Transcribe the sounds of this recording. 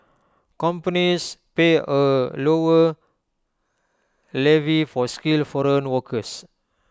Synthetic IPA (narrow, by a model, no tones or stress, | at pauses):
kɔ̃mpənispeəlowə | lɛvifɔskilfɔɾə̃nwɔkʰəs